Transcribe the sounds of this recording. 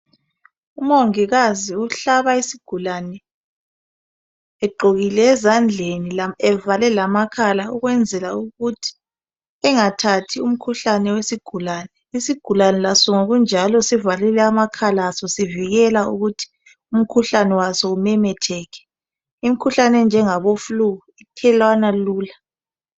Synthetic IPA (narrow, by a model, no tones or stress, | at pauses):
umoŋiɣaziuɬaβaisiɡ̥ʱulanɛ | ɛɡ͡ǃʱoɣilɛːzand͡ɮʱenilaɛvalɛlamakʰalauɣwɛnd͡zʱɛlauɣutʰi̥ | ɛŋatʰatʰium̩kʰuɬanɛwesiɡ̥ʱulaːnɛisiɡ̥ʱulanɛlasɔŋoɣund͡ʒʱalɔsivalɛlɛamakʰalasɔsiviɣɛlaṵɣutʰi̥ | um̩kʰuɬanɛwasɔumɛmɛtʰɛkʰɛ̥ | im̩kʰuɬanɛnd͡ʒʱɛŋaβofluɣuitʰɛlwanaluːla